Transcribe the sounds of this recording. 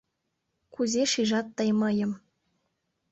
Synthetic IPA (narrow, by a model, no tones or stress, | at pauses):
kuzʲeʃiʒɑt̪ːɤjmɤ̆jɤ̆m